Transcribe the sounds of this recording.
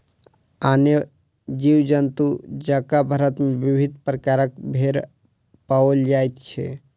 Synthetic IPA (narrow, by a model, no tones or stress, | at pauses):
aːne | d͡ʒiwd͡ʒənt̪ud͡ʒakabʱəɾət̪mẽʋibʱid̪ʱpɾəkaɾək̚bʱeɾ | paold͡ʒajt̪t͡ʃʰɛ̰